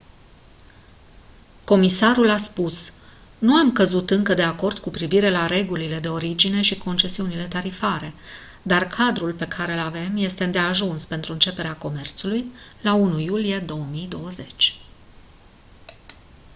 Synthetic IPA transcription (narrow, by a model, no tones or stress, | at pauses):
ko̞misaɾulaspus | nuamkəzut̪ɨŋkəd̪e̞ako̞rd̪̥kupɾiviɾe̞laɾe̞ɡulile̞d̪e̞o̞ɾid͡ʒine̞ʃikʰo̞nt͡ʃe̞siunile̞t̪aɾifaɾe̞ | d̪arkʰad̪ɾulpe̞kʰaɾe̞lave̞mje̞st̪e̞ɨnd̪e̞aʒunspe̞nt̪ɾuɨnt͡ʃe̞pe̞ɾeako̞me̞rt̪sulujlaunujulije̞d̪o̞wəmijd̪o̞wəze̞t͡ʃʲ